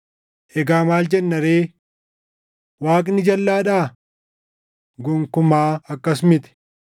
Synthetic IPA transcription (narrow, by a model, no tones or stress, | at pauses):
ʔɛɡaːmaːld͡ʒɛnːɐɾeː | waːkʼnɪd͡ʒɐlːaːᶑaː | ɡɔŋkʊmaːɐkːɐsmɪt̪ɛ̥